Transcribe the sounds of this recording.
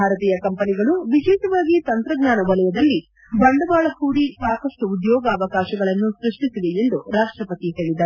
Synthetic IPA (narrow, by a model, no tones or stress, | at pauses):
aːɾɐt̪iːjɐkɐmpɐniɡɐɭuʋid͡ʒiːʈ̪ɐʋaːɡit̪ɐnt̪ɾɐɡɲaːnɐʋɐlɐjɐd̪ɐlːi | bɐɳɖɐbaːɭɐhuːɽisaːkɐʂʈuːd̪jɔːɡɐːʋɐkaːʃɐɡɐɭɐnːusɾiʂʈisiʋeend̪uɾaːʂʈɾɐpɐt̪iɦe̞ːɭid̪ɐ